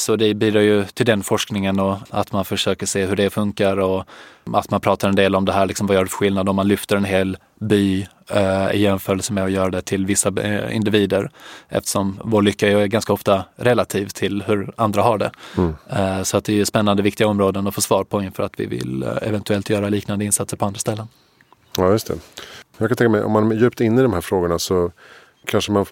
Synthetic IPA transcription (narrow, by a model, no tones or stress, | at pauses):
sɔd̪ɛbyːd̪ɾaɾjɵt̪ʰɪld̪ɛnfɔʂknɪŋənɔa̰t̪manfœʂøːkəʂeːɦɵɖɛfɵŋkaɾɔa̰t̪manpʰɾɑːt̪aɾɛnd̪eːlɔmd̪ɛɦæːɭɪksɔmvajœːɖɵfœ̥ɧɪlnad̪ɔmːanlʏft̪əɾɛnɦeːl | byː | ɪ̰jɛnfœːɾɛlsəmɛɔjœːɾad̪ɛt̪ʰɪlvɪsːaɪ̰nd̪ɪviːd̪əɾʔɛ̰ft̪ə̥ʂɔmvoːɭʏkːajɵæɾɡanskaɔft̪aɾɛlat̪ʰiːvt̪ʰɪlhɵɾand̪ɾaɦaɖɛ̰ | sɔat̪̚d̪ɛɛspɛnːand̪əvɪk̚t̪ɪɡaɔmɾoːd̪ənɔfoːʂvɑːɾpʰɔɪnfœːɾat̪vɪ̰vɪ̰lɛ̰vɛnt̪ɵɛlt̪jœːɾaliːknand̪əɪnsat̪səɾpʰɔand̪ɾast̪ɛlːən | ɑːjɵst̪ʰɛ̰jɑɡkʰanʰɛ̃ŋkamɛjʔɔ̰mːanjʉ̟ːpt̪ɪnːɪd̪ɔmhæːɾfɾoːɡʊɳasɔ | kʰanʂəman